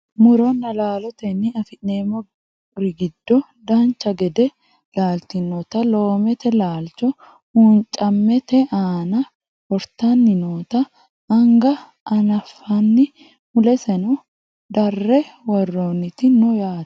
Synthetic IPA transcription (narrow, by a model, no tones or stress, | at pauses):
mʊɾɔnːɐlaːlɔt̪ɛnːɪɐfɪnneːmːɔ | ɾɪɡɪd̪ːɔ | d̪aːnt͡ʃːɐɡɛd̪ɛ | laːlt̪ɪnoːt̪ɐlo̞ːmɛt̪ɛlaːlt͡ʃɔ | hunt͡ʃʼɐmːɛt̪ɛʔaːnɐ | wɔɾt̪anːɪnoːt̪ɐː | ŋɡɐ | ʔɐnɐfːɐnːɪ | mʊlɛsɛnʊ | d̪ɐrːɛwɐrːo̞ːnɪt̪ɪnʊjaːt̪